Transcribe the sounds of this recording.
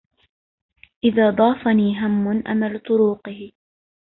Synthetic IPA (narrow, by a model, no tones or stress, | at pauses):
ʔɪðaːd̪ˤɑːfaniːɦamːʊnʔa̰malt̪ˤʊɾuːqɪhɪ